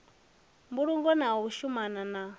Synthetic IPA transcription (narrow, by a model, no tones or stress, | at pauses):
mbuɺuŋɡɔnaɔuʃumanana